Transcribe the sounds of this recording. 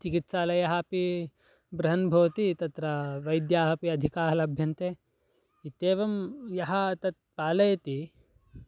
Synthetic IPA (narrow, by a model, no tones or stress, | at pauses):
t͡ʃikit̪ʃaːlɐjɐɦaːpi | bɾɐɦɐnbʱɐʋɐt̪it̪ɐt̪ɾɐʋɐjd̪jaːɦɐpiɐd̪ʱikaːɾlɐbʱjɐnt̪eː | it̪eːʋɐmjɐɦɐt̪ɐt̪̚paːlɐjɐt̪i